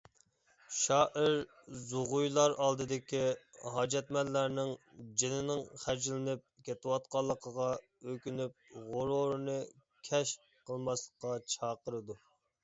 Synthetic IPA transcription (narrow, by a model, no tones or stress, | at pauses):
ʃɑːʔɪɾ | zuʁʊjlˠɑɾɑlˠd̪ɨd̪ɪkʲiɦɑːd͡ʒɛt̪mɛlːæɾnɪŋd͡ʒenɪnɪŋχæɾd͡ʒɪlɪnɪp̚kʲʰet̪ʰɪwɑt̪̚qɑlˠːəqʰəʁɑ | økʲynyp̚ʁoɾoɾnɨkʲʰɛʃ | qʰəlˠmɑslˠəqːɑt͡ʃʰɑːqəɾɨd̪u